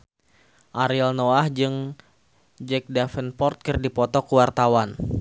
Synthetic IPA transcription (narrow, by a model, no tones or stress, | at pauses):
ʔaɾilnoahd͡ʒɨŋ | d͡ʒɛk̚dafənpɔrt̪̚kərdipɔt̪ɔkəwart̪awan